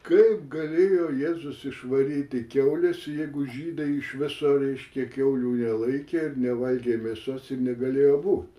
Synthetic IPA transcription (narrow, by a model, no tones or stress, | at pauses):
kɐɪpɡɐlʲeːjoːjeːzʊsɪʃʋɐɾʲiːt̪ʲɪkʲɛʊlʲɛsjɛɪɡʊʒʲiːd̪ɐɪɪʃʋʲɪsoːɾʲɛɪʃʲkʲɛkʲɛʊlʲuːnʲɛlˠɐɪkʲeːɪrnʲɛʋɐlʲɡʲeːmʲeːsosɪrnʲɛɡɐlʲeːjoːbuːt̪ʲ